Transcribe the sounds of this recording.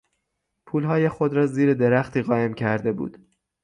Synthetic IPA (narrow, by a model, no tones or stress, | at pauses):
pʰuːlɦɒːjexo̞d̪ɾɒːziːɾed̪e̞ɾæxt̪ʰiːɣɒːe̞mcʰæɾd̪e̞bṵːd̪̥